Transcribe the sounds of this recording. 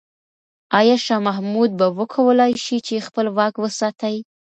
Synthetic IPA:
ɑjɑʃɑmaɦmud̪̚bawəkʰawəlɑjʃit͡ʃexpəlwɑkwəsɑt̪aj

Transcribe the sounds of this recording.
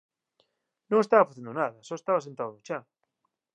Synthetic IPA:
nõŋest̪aβɐfaθend̪onaðɐsoest̪aβasent̪aðoðot͡ʃa

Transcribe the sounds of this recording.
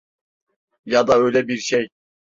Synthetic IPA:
jɑd̪ɑø̞jlʲɛbiɾʃej

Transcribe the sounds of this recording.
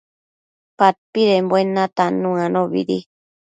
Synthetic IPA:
pat̪̚piɾembwenãt̪anũãnoβḭɾi

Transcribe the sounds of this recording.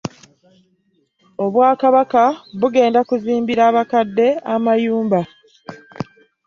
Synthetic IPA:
o̞βwaːkaβakaβuɡe̞ːndakuziːmbiɾaːβakadːe̞amajuːmba

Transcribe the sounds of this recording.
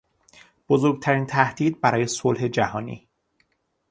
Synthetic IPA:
b̥ozoɾɡ̚t̪ʰæɾiːnt̪ʰæhd̪iːd̪̚bæɾɒːje̞solɦe̞d͡ʒæhɒːnḭː

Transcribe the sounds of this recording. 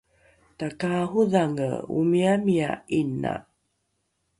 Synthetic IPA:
takaɦuðaŋə̰ṵmiamia̰inːa̰

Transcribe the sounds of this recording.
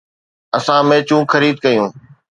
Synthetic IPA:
əsãːmẽːt͡ɕũːxəɾiːd̪̚kəjũː

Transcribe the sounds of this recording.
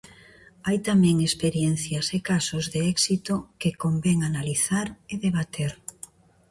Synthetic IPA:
ajt̪amɛ̃ŋespeɾjɛn̟θjasekasozðeɛksit̪okekombɛŋanaliθaɾeðeβ̞at̪ʰeɾ

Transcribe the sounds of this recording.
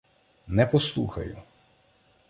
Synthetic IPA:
nɛpɔslˠṵxɐ̰jʊ̰

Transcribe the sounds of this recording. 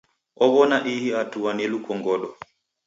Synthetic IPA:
ʔɔβɔnaʔihiatuwanelukɔŋɡɔɗɔ

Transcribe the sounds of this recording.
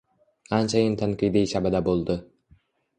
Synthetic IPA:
ant͡ʃʰajɪnt̪ʰanqɨjd̪iʃabad̪abolˠd̪ɪ

